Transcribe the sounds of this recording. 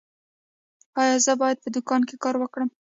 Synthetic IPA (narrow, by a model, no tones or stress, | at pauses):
ɑjɑzəbɑjad̪̚pəd̪ʊkɑnkekɑɾwəkɽəm